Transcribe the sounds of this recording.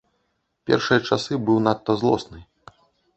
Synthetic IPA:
pʲɛ̰rʂɨjɐt͡ʂasɨbɨwnat̪ːɐzlˠɔsnɨ

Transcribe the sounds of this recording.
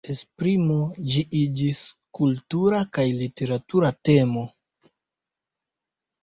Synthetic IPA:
espɾimo̞d͡ʒiʔid͡ʒiskultuɾakajlite̞ɾatuɾate̞mo̞

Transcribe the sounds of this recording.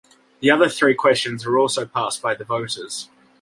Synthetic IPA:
ðiʌðəθɹiːkʰw̥ɛst͡ʃə̃nzwəɹɔˑlˠsəʊpʰɑˑsb̥aɪðəvəʊtʰəz̥

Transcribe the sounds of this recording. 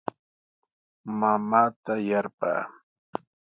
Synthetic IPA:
mamaːt̪ajaɾpa̰ː

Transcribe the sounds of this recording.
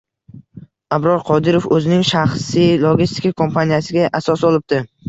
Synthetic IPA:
abɾɒɾqʰɒd̪ɪɾofɵzɪnɪŋʃaχsijlˠoɡʲist̪ɪ̥kakʰo̞mpʰanijasɪɡʲaʔasɒsɒlˠɪp̚d̪ɪ

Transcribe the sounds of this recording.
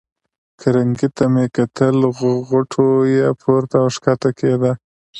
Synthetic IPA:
kʰaɾaŋɡit̪amekat̪əlɣɣʊʈʰojepʰoɾt̪aʂkat̪aked̪a

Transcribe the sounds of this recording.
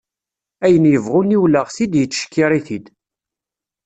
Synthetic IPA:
æjənjəvʁʊniwləʁsid̪jət͡sːʃkːiɾˤiθid̪

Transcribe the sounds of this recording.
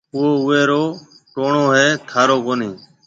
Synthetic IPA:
ʊoːʊʋeːɾoː | ʈoːɳoːɦeːt̪ʰaːɾoːkoːniː

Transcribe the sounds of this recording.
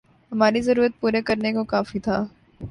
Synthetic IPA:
ɦɐmaːɾizɐɾuːɾət̪̚puːɾekɐɾnekokaːfit̪ʰaː

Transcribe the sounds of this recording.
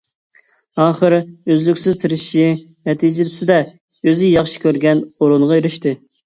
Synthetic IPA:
ɑːχəɾøzlykʲsɪzt̪ʰɨɾɪʃi | nɛt̪ʰid͡ʒɪlɪsɪd̪ɛ | øzɪjɑχʃi̥kʲʰøɾɡʲɛnoɾunʁɑjøɾyʃt̪ɨ

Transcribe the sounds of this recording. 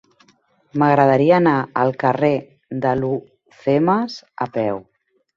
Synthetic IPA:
məɣɾəð̞əɾiəːnaəlˠkəre | ðəlu | θeməzəpɛw

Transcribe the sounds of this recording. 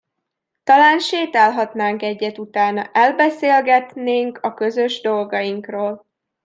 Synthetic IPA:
t̪ɒlaːnʃeːt̪ɛlɦɒt̪naːŋkɛɟːɛt̪ut̪aːnɒʔɛlbɛseːlɡɛt̪neːŋkɒkø̞zø̞ʒd̪o̞lɡɒjiŋkroːl

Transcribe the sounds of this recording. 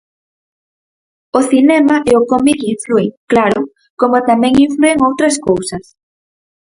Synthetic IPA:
oθinɛmɐʔɛokomikiɱflueŋklaɾʊ | komot̪amɛ̃ŋiɱflueŋowt̪ɾɐskowsɐs

